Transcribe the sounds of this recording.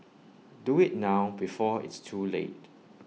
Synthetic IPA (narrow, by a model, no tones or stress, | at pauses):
duɪt̚naʊbifɔɪ̰tstʰulḛt̚